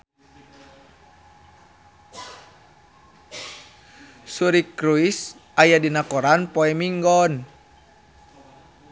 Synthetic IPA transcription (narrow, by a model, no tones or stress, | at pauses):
suɾikɾuisajadinakɔɾanpɔɛmiŋɡɔn